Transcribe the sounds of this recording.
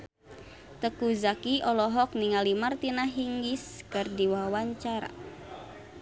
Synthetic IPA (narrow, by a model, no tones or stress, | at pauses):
t̪əkuzakiɔlɔɦɔk̚niŋalimart̪inaɦiŋɡiskərdiwawaɲt͡ʃaɾa̰